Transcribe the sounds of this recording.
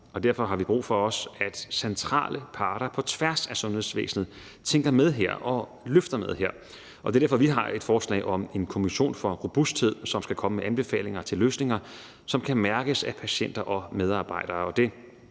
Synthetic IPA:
ɒ̽d̥æɐ̰fɒ̽ɦɑ̈ʋib̥ʁṵːfɒ̽ɒ̽sæd̥sent͡sʰʁɑ̰̈ːlʔəpʰɑ̈ːɾ̥ɐpʰɒ̽t͡sʰʋæɐsæsɔ̽nhe̝ðˠsʋḛːsn̩ð̩ˠ | t͡sʰeŋɡ̥ɐmeð̞ˠɦeɐ̰ɒ̽ | løfd̥ɐmeð̞ˠheɐ̰ | ʔɒ̽d̥e̝d̥æɐfɒʋiɦɑ̈ʔe̝d̥fɒːslɛ̰ːɪʔɒ̽me̝nkʰo̝miɕo̝̰ːnfɒ̽ʁob̥usd̥̚he̝ð̞̰ˠsɒ̽msɡ̥ækʰɒ̽məmeʔænb̥e̝fɛ̰ːle̝ŋɐt͡sʰe̝lːøːsne̝ŋɐ | sɒ̽mkʰæmæɐɡ̥əsæpʰæɕen̰d̥ɐʔɒ̽með̞ˠɑ̈ːb̥ɑ̈ɪ̰d̥ɐːɒ̽d̥e̝

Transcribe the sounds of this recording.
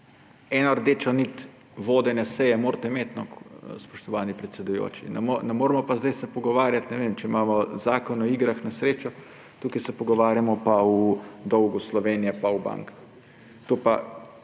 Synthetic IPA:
ɛnɔɾd̪eːt͡ʃɔnit̪ | ʋoːd̪ɛnjasɛjɛmoːɾt̪ɛimeːt̪nɔkspɔ̥ʃt̪ɔʋaːnipɾɛt̪sɛd̪ujo̰ːt͡ʃḭnɛmonɛmoːɾmɔpazd̪ajsɛpɔɡɔʋaːɾjat̪nɛʋeːmt͡ʃɛimaːmɔzaːkɔnɔiːɡɾaxnasɾeːt͡ʃɔ | t̪uːkajsɛpɔɡɔʋaːɾjamɔpawud̪ɔwɡuslɔʋeːnijɛpawba̰ŋkḁx | t̪oːpa̰

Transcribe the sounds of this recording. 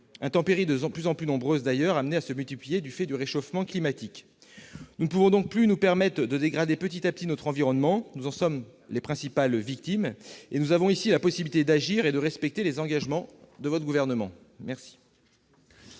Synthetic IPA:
ɛ̃t̪ɑ̃peʁid̪əplyzɑ̃plynɔ̃bʁøzd̪ajœʁamneasəmylt̪iplijed̪yfɛd̪yʁeʃofmɑ̃klimat̪ik | nunəpuvɔ̃d̪ɔ̃k̚plynupɛʁmɛt̪χəd̪əd̪eɡʁad̪epət̪it̪ap̚t̪inɔt̪χɑ̃viʁɔnmɑ̃nuzɑ̃sɔmlepχɛ̃sipalvik̚t̪imenuzavɔ̃isilapɔsibilit̪ed̪aʒiʁed̪əʁɛspɛk̚t̪elezɑ̃ɡaʒmɑ̃d̪əvɔt̪χɡuvɛʁnəmɑ̰̃ | mɛʁsi̥

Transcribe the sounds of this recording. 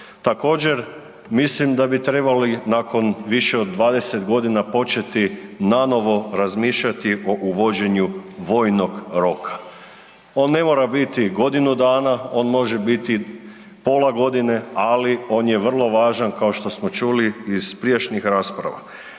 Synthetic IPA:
t̪ako̞ːd͡ʑe̞ɾ | mislimd̪abit̪ɾe̞balinakʰo̞nʋiʃeod̪ːʋaːd̪e̞set̪ɡo̞d̪inapo̞t͡ʃe̞t̪inano̞ʋo̞ɾazmiːʃʎat̪iʔo̞ʔuʋo̞d͡ʑe̞ɲuʋo̞ːjno̞ɡɾo̞kʰḁ | o̞ːnːe̞mo̞ːɾabit̪iɡo̞d̪inud̪aːnao̞ːnmo̞ʒebit̪i | poːlˠaɡo̞d̪ine̞alio̞ːnjeʋr̩lˠo̞ʋaːʒankao̞ʃt̪o̞smo̞t͡ʃuːliːz̥pɾiet͡ʃnixɾaːspɾa̰ʋa̰

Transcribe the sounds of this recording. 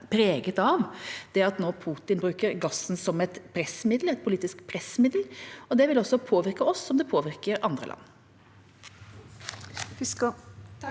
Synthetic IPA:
pʰɾeːɡət̪ɑʋd̪̥ɛɑt̪noːpʰuːt̪ɪnbɾʉːkəɾɡɑsːn̩sɔmɛt̪pʰɾɛsmɪd̪lɛt̪̚pʰʊliːt̪ɪskpʰɾɛsmɪd̪l̩ɔd̪ɛʋɪlɔsːɔpʰoːʋɪɾkəɔsːɔmd̪ɛpʰoːʋɪɾkəɾɑnd̪ɾə̰lɑ̰nː

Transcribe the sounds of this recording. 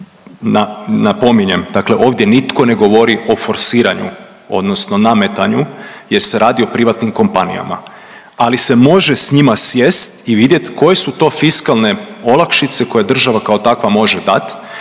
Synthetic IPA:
nanapo̞miɲe̞md̪akle̞ʔo̞ːʋd̪je̞nit̪ko̞ne̞ɡo̞ʋo̞ɾiʔo̞fo̞ɾsiːɾaɲṵ | o̞̰d̪no̞sno̞name̞t̪aɲu | je̞ɾseɾʔaːd̪io̞pɾiʋat̪nimko̞mpanḭja̰ma̰ | alise̞mo̞ʒe̞sɲimasjest̪iʋid̪je̞t̪ko̞je̞sut̪o̞ːfiskalˠne̞o̞lˠakʃit̪seko̞jed̪r̩ʒaʋakao̞t̪akʋamo̞ʒed̪a̰t̪

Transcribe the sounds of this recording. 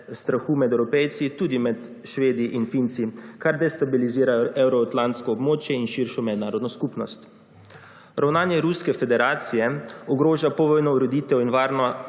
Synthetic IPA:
st̪ɾaxuːmɛd̪ɛwɾɔpɛjt̪sit̪uːd̪imɛt̪ | ʃʋeːd̪iʔinfint̪sikaɾd̪ɛst̪abiliziːɾajɔʔɛwɾɔat̪lant̪skɔːbmoːt͡ʃjɛinʃiɾʃɔmɛd̪naːɾɔd̪nɔskupnɔst̪ | ɾʔawnaːnjɛɾuskɛfɛd̪ɛɾaːt̪sijɛɔɡɾoːʒapɔʋɔːjnɔuɾɔd̪iːt̪ɛwinʋaːɾnɔ

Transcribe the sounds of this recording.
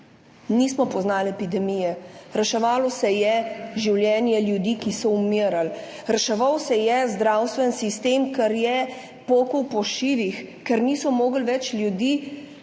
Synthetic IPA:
niːsmɔpɔznaːlɛpid̪ɛmiːjɛɾɛʃɛʋaːlɔsɛjɛʒiwljɛnjɛljud̪iːkisɔumiɾal | ɾɛʃɛʋawsɛjɛzd̪ɾaːwst̪ʋɛnsist̪eːmkɛɾjɛ | poːkəwpɔʃiːʋixkɛɾniːsɔmoːɡlʋɛt͡ʃlʲjud̪iː

